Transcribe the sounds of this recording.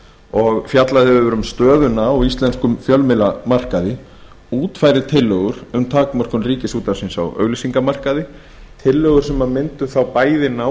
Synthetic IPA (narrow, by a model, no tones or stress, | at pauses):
ɔɣfjat̪laðɪvʏvʏɾʏmst̪œːðʏnaɔwist̪lɛnskʏmfjœlmɪlamar̥kaðɪ | uːt̪fajɾɪt̪ʰɪlːœɣʏɾ̥ʏmt̪ʰaːkmar̥kʏnriːcɪsuːt̪asinsa̰wœ̰ːɣlisiŋkamar̥kaðɪ | t̪ʰɪlːœɣʏɾ̥sɛmamɪnt̪ʏθawpaːjðɪna